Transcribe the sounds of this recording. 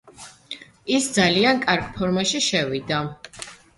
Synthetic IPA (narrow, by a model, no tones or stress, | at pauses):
isd̪zaliankʼaɾɡpʰɔɾmaʃiʃɛvid̪a